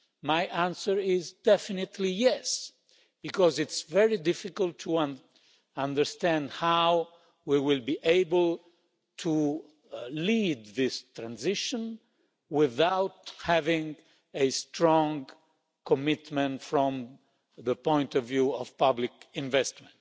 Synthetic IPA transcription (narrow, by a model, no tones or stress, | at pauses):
majʔæ̃nsəɹɪzdɛfɪnɨt̪ʰlijɛs | b̥ikɔzɪtsvɛɹidɪfɪkəltʰːuãn | ãndə˞st̪æ̃ndhaw | wiwɪlbiʔeɪbəlˠ | tʰu | lid̪̚ðɪstɹãnzɪʃə̃n | wɪðawthævɪ̃ŋ | estɹɔ̃ŋ | kɔmɪt̪mɛ̃ntfɹɔ̃m | ðəpɔ̃ɪ̃ntɔvjuɔv̥pʌblɪkɪ̃ɱvɛstmɛ̃nt